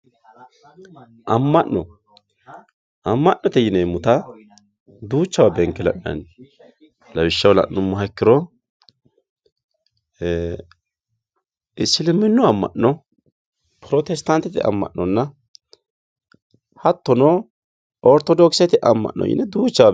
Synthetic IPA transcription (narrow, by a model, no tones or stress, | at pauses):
ʔɐmːɐʔnɔ | ʔɐmːɐʔnːɔt̪ɛjɪnɛmːʊt̪ɐ | d̪uːt͡ʃːɐwabɛŋkːɪlɐ̰ʔnɐ̰n | lɐwɪʃːɐwlɐ̰ʔnʊmːʊɦɐkːɪɾɔ | ɪsɪlɪmːɪnːʊɐmːɐ̰ʔnɔ | pʰɾɔt̪ɛst̪ɐnt̪ːɛt̪ɪ̰ɐ̰mːɐ̰ʔnɔnːɐ | hɐt̪ːɔnɔ | ɔɾt̪ɔd̪ɔksɐɛt̪ɪʔɐmːɐ̰ʔnːɔ̰jɪ̰nɛd̪uːt͡ʃːɐwa